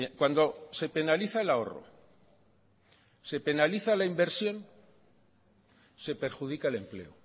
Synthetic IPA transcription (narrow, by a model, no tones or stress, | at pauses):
kwand̪o̞se̞pe̞naliθaelao̞̰ro̰ | se̞pe̞naliθalaimbe̞ɾsjo̞n | se̞pe̞ɾxuðikaele̞mple̞̰o